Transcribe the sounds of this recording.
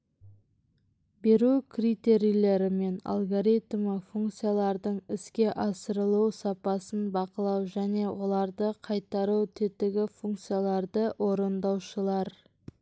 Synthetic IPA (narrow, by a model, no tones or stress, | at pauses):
be̞ɾukʲʰrit̪e̞ɾijlʲe̞ɾɪme̞na̰lˠɡoɾit̪məfuŋkt̪sɨjalˠɑɾd̪əɴɪskʲe̞ʔɑsəɾəlˠuwsɑpɑsənbɑqəlˠɑwʒæne̞wʔo̞lˠɑɾd̪əqʰɑjt̪ɑɾut̪ʰet̪ːɪɡʲɪfuŋk̚t̪sijalˠɑɾd̪əwo̞ɾənd̪ɑwʃəlˠɑɾ